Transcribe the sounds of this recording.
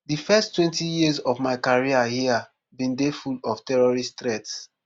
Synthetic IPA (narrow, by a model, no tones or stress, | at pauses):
difɛstːwɛ̃ntijizɔvmaɪkaɹiahia | bĩndefulɔftɛɹɔɹistɹɛts